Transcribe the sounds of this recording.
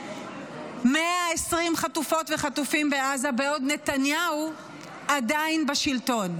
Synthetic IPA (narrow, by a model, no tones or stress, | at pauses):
meaesʁimχatufo̞tveχatufimbeazabeod̪ne̞tanjau | adainbaʃilto̞n